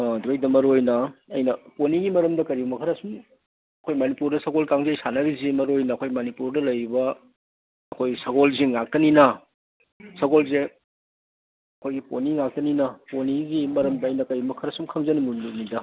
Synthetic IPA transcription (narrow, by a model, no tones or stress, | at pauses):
dɾojdɐmɐɾojnɐɐ̰jnɐponiɡimɐɾɐmdɐkɐɾibumɐkʰɐɾɐsum | ɐkʰojmɐnipuɾdɐsɐɡolkaŋzejsanɐɾizimɐɾojnɐːkʰojmɐnipuɾdɐlɐjɾibɐ | ɐkʰojɡisɐɡolziŋak̚tɐninɐ | sɐɡolze | ɐkʰojɡiponiŋak̚tɐninɐponiɡimɐɾɐmdɐɐjnɐkɐɾibumɐkʰɐɾɐsumkʰɐŋzɐnimununidɐ